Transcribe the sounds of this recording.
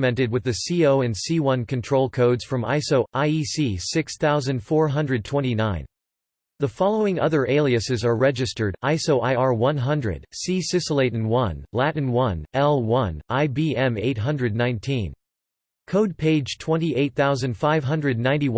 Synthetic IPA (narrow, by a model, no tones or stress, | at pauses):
mɛ̃ntɨd̚wɨðɨsioʊɨ̃nsiwʌ̃nkʰɨ̃ntʰɹ̥oʊlˠkʰoʊdz̥fɹʌ̃ma̰ɪsoʊʔaɪisisɪksθaʊzɨ̃nd̥fɔɹɦʌ̃ndɹɨd̚tʰw̥ɛ̃ñtinãɪ̃n | ðəfɑlˠoʊɪ̃ŋʌðə˞ʔeɪlˠiɨsɨzə˞ɹɛd͡ʒɨstə˞ɾaɪsoʊʔaɪɑɹwʌ̃nɦʌ̃ndɹɨ̰d̥sisɪsəleɪɾn̩wʌ̃nlæʔn̩wʌ̃nɛlˠwʌ̃nʔaɪbiɛ̃meɪt̚ɦʌ̃ndɹɨdⁿnãɪ̃ntʰĩn | kʰoʊd̚pʰeɪdd͡ʒʒ̥tʰw̥ɛ̃ntiʔeɪt̪̚θaʊzɨ̃nd̥faɪv̥ɦʌ̃ndɹɨdⁿnãɪ̃ntiw